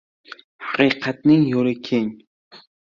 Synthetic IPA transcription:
hɑaqʰɨjqʰɑt̪nɪŋjolɪkʲʰeŋ

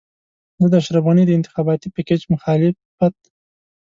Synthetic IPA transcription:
zəd̪aʃɾabɑnid̪əɪnt̪ɪ̥xɑbɑt̪ipɪked͡ʒmʊxɑlɪf | at̪̚

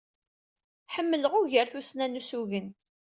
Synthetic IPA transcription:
ħəmːələʁʊʝəɾθusnænusuʝən

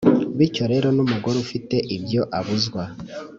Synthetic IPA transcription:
βico̞ɾe̞ɾo̞numuɡo̞ɾufite̞ʔibjo̞ʔaβuzɡwa

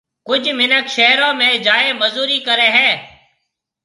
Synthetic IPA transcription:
kʊd͡ʒʱmɪnəkʃəɦɾõːmẽːd͡ʒaːeːməzuːɾiːkəɾẽːɦɛ̃ː

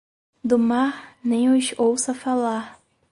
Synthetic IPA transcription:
d̪ʊmaɾnẽj̃ʊzowsɐfalaɾ

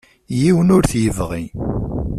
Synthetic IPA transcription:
jiwənʊɾθjəvʁi

